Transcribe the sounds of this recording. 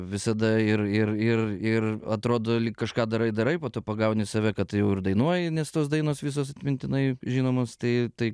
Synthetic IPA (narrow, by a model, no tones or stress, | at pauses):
ʋʲɪsɐd̪ɐɪrɪrɪrɪrɐt̪ɾoːd̪oːlʲiːkkɐʃkɑːd̪ɐɾɐɪd̪ɐɾɐɪpoːt̪oːpɐɡɐʊnʲɪsɐʋʲɛkɐt̪jɛʊɪɾd̪ɐɪnuɔjɪnʲɛst̪oːs̬d̪ɐɪnoːsʋʲiːs̬oːsɐt̪ʲmʲɪnʲt̪ʲɪnɐɪʒʲiːnoːmoːst̪ɐɪt̪ɐɪ